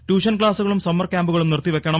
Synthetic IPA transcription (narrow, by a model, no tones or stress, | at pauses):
ʈuːʂɐnk̬ɭaːsuɣɐɭumsɐmːɐrkʲaːmbuɣɐɭumnirt̪ːiʋe̞kʲːɐɳɐ